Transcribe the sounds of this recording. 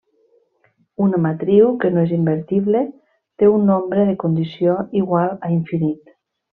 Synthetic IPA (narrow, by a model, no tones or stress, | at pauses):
unamat̪ɾiwkenoezimbeɾt̪iβle | t̪eunːombɾeðekund̪isioiɣwalˠaiɱfinit̪